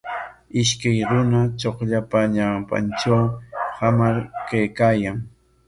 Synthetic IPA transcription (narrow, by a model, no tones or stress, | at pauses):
ɪʃkajɾʊnat͡ʃoχʎapaɲawpa̰nʈ͡ʂawhamaɾkajkaːjaŋ